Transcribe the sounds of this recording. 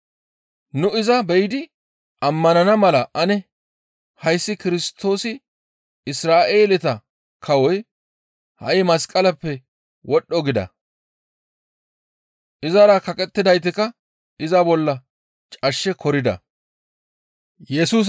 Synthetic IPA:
nʊɪzɐbɛjɪd̪ɪ | ɐmːɐnɐnɐmɐlɐʔɐnɛ | hɐjsːɪkɪɾɪst̪ːo̞ːsɪ | ɪsɾaːʔeːlɪt̪ɐ | kʰɐwɔj | hɐ̰ʔɪmɐskʼɐlɐpːɛ | wɔɗːɔɡɪd̪ɐ̰ | ʔɪzɐɾɐkɐkʼɛt̪ːɪd̪ɐjt̪ːɪkɐ | ɪzɐbɔlːɐ | t͡ʃʼɐʃːɛkʰɔɾɪd̪ɐ̰ | jɛsuːs

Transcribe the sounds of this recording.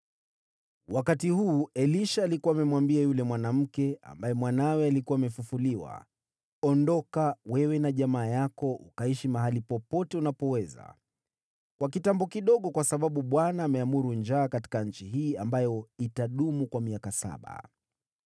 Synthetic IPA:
wakatihuːɛliʃaːlikuwamɛmwambiajulɛmwanam̩kɛa̰mbajɛmwanawɛalikuwaːmɛfufuliwa̰ | ɔndɔkawɛwɛnaʄamaːjakɔʔṵkaiʃimaɦalipɔpɔtɛunapɔwɛza̰ | kwak̬itambɔkiɗɔɠɔkwasaɓaɓuɓwanaːmɛamuɾund͡ʒaːkati̥kaɲ̩t͡ʃiɦiːambajɔitaɗumukwamiakasa̰ɓa̰

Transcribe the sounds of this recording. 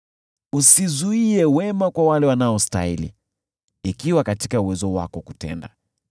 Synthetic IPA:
usizuiɛwɛmakwawalɛwanaɔsta̰ilḭ | ikiwakatikauwɛzɔwa̰kɔkutɛ̰nda

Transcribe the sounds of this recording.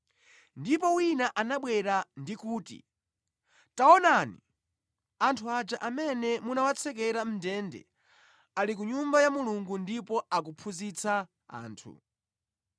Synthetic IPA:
ndipɔwinaʔanaɓwɛɾandikuːtḭ | taɔnani | antʰuad͡ʒaʔamɛnɛmunawat͡sʰɛk̬ɛɾam̩dɛndɛ̰ | alik̬uɲumbajamuluŋɡundipɔak̬upʰuzit͡sʰa | a̰ːntʰṵ

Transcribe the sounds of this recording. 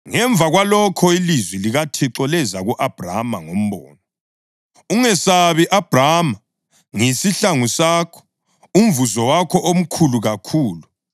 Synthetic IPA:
ŋɛɱb̪vʱaɣwalɔkʰɔilizwiliɣatʰɛǁɔlɛzaɣuʔab̥ʱra̰ma̰ŋom̩βɔ̰ːnɔ | uŋɛsaβiʔab̥ʱrama | ŋisiɬaŋusaːkʰɔ̥ | um̩vuzɔwakʰɔʔom̩kʰuluɣakʰuːlu

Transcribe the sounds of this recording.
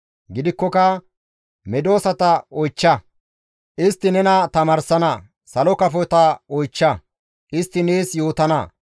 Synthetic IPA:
ɡɪd̪ɪkːɔkɐ | mɛd̪o̞ːsɐt̪ɐɔjt͡ʃːɐ | ʔɪst̪ːɪnɛnɐt̪ɐmaːɾsɐnɐ | sɐlɔkɐfɔjt̪ɐɔjt͡ʃːɐ | ʔɪst̪ːɪneːsjo̞ːt̪ɐnɐ

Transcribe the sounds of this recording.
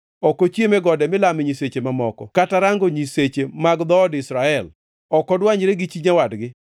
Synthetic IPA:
ɔkot͡ʃemɛɡɔdɛmɪlamɪɲiset͡ʃemamɔkɔkataɾaŋɡoɲiset͡ʃemaɡd̪ɔːdɪsɾaɛl | ɔkɔdwaɲɾeɡɪt͡ʃiɲawadɡɪ

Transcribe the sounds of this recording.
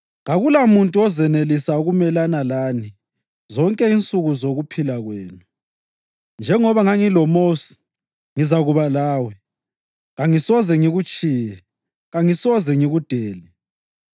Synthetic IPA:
ɣaɣulamuntʼuɔzɛnelisauɣumɛlanalaːni | zɔŋkʼɛint͡sʼuɣuzoɣupʰilaɣweːnu | nd͡ʒʱɛŋɔβaŋaŋilɔmosi̥ | ŋizaɣuβalaːwɛ | ɣaŋisɔzɛŋiɣut͡ʃʼijɛ | ɣaŋisɔzɛŋiɣud̥ʱeːlɛ

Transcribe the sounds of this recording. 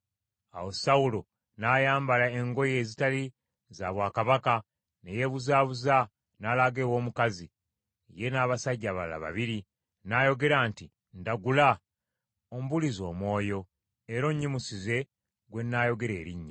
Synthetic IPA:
a̰wo̞saulo̞ | naːjaːmbalaeŋɡo̞je̞ːzitali | zaβwaːkaβaka | neje̞βuzaːβuza | naːlaɡewo̞ːmukazi | je̞naːβasaɟːaβala̰βa̰βiɾi | najo̞ɡe̞ɾaːnti | ndaɡula | om̩bulizo̞ːmwo̞ːjo̞ | eɾo̞ɲːimusize̞ | ɡwe̞nːaːjo̞ɡe̞ɾe̞ːɾiɲːi

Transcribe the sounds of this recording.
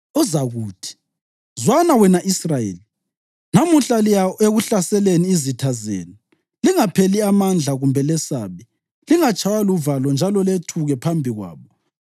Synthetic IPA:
ɔzaɣuːtʰi̥ | zwanawɛnaʔisrajḛːli | namuɬalijaeɣuɬasɛleniːzitʰazḛːni | liŋapʰeliamand͡ɮʱaɣumbʱɛlɛsaβi | liŋat͡ʃʰʼawaluvalɔnd͡ʒʱalɔletʰuɣɛpʰambʱiɣwa̰ːβɔ

